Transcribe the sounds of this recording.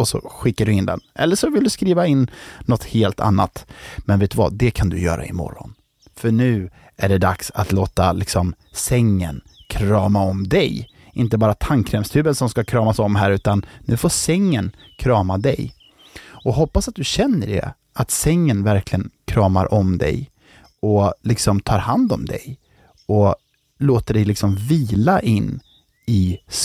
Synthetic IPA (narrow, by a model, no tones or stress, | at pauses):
ɔsɔ̰ɧɪkːaɖɵɪnd̪ɛ̰nʔɛ̰lːəʂɔvɪld̪ɵskɾiːvaɪnːɔt̪heːlt̪ʰa̰nːa̰t̪mɛnveːt̪ɵva̰d̪ɛkʰand̪ɵ̰jœ̰ːɾʔa̰ɪmɔ̰ɾːɔ̰n | fœɳʉ̟ː | æɖɛd̪aksa̰t̪loːt̪alɪksɔm | sɛŋːə̰n | kʰɾɑːmaɔmd̪ɛj | ɪnt̪əbɑːɾat̪ʰaŋkʰɾɛmst̪ʰʉ̟ːbənsɔmskakʰɾɑːmasɔmɦæːɾʉ̟ːt̪anːʉ̟ːfoːsɛŋːən | kʰɾɑːmad̪ɛ̰j | ɔɦɔpːasat̪̚d̪ɵɕɛnːəɖɛ̰ | at̪sɛŋːənvæɾkʰlɪɡənkʰɾɑːmaɾʔɔmd̪ɛ̰j | ɔlɪksɔmt̪ʰɑːɾhand̪ɔmd̪ɛ̰j | ɔ | loːt̪əɖɛjlɪksɔmviːlaʔɪnː | ɪ